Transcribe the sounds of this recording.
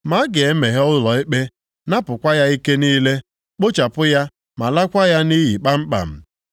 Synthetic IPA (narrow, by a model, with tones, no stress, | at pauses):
ma˨˦ɡe˨e˦me˨ɦe˦ɔ˦ʊ˦lɔ˨ɪ˦k͡pe˦ | na˦pʊ˨kʷa˦ja˦i˦ke˦niː˦le˦ | k͡po˦t͡ʃa˨pʊ˦ja˦ | ma˨la˦kʷa˦ja˦ni˦ji˨k͡pa˦m̩˦k͡pa̰˨m̩˦